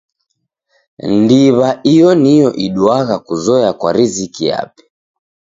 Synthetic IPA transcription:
ndiβaʔijɔnijɔʔiɗwaɣakuzɔjakwa̰ɾizikija̰pɛ̥

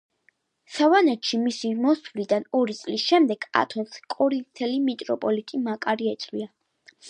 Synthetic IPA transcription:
savanɛt̪ʃimisimɔsvlid̪anɔɾit̪sʼlisʃɛmd̪ɛɡ̥a̰t̪ʰɔnskʼɔɾint̪ʰɛlimit̪ʼɾɔpʼɔlit̪ʼimakʼaɾiɛt̪sʼwia

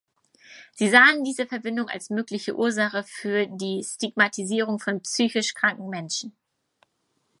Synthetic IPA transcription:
z̥iːzaːəndiːzəfɛɐbɪndʊŋa̰lsmøːklɪçəʔuːɐzaχəfyːɐdiːstiɡmatʰiziːʁ̞ʊŋfɔnpsyːçɪʃkʁ̥aŋkŋ̩mɛnʃn̩

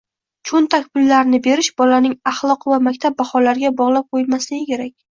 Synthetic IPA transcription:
t͡ʃʰont̪ʰakʲbɪlːaɾnɪbe̞ɾɪʃbɒlanɪŋɑχlˠɒqvamakʲt̪ʰap̚baχɒlaɾɡʲabɒʁlˠap̚qʰojɪlmaslɪɡʲɪkʲʰe̞ɾakʲ

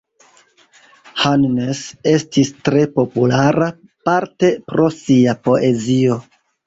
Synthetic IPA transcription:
hannese̞stistɾe̞po̞pulaɾa | paɾte̞pɾo̞siapo̞ʔe̞zio̞

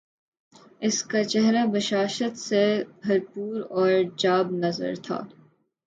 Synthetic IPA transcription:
ɪskat͡ʃɛɦɾabɐʃaːʃət̪sebʱɐɾpuːɾɔːɾd͡ʒaːbnɐzə̰ɾt̪ʰa̰ː

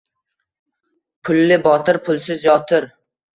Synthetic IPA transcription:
pʰʊlːɪbɒt̪ɪɾpʰʊlˠsɪzjɒt̪ʰɪɾ

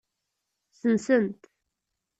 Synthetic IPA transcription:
sənsənt̪

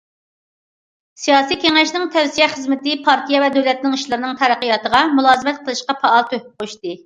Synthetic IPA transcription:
sijɑːsijkʲeŋɛʃnɪŋt̪ʰɛwsijɛχəzmɪt̪ɪpʰɑɾt̪ʰijɛvɛd̪ølɛt̪nɪŋiʃlˠɨɾɨnɨŋt̪ʰɛɾæqəjɑt̪əʁɑmulˠɑːzɨmɛt̪̚qʰəlˠɨʃqɑpɑɑlˠt̪ʰøh̚p̚qʰoʃt̪ɨ

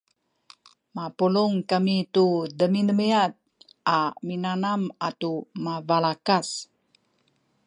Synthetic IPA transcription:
mapuluŋkamitudəminəmiat̪̚ | ʔaminanamatumavalakas

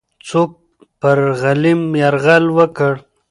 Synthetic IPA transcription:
t͡sok̚ | pəɾɣalimjaɾɣalwəkəɽ

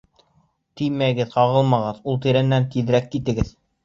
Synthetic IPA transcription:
t̪ijmæɡɘðqɑʁɤlˠmɑʁɤðulˠt̪iɾɘ̆nːænt̪iðɾækːit̪ɘ̆ɡɘð

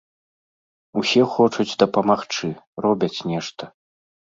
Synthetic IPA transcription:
usʲɛxɔt͡ʂud͡zʲd̪ɐpɐmaxt͡ʂɨrɔbʲɐt͡sʲnʲɛʂt̪ɐ

